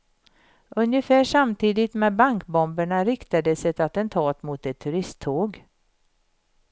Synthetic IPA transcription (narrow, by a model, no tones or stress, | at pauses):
ʔɵnjəfæːʂamt̪ʰiːd̪ɪt̪mɛːbaŋkbɔmbəɳaɾɪkt̪ad̪əsɛt̪at̪ɛnt̪ʰɑːt̪mʊt̪ɛt̪ʰːɵɾɪst̪ʰːoːɡ